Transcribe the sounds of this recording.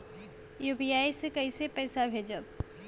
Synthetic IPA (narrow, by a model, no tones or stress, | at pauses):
juːbijaːisekɐisepɛːsabʱeːd͡ʒə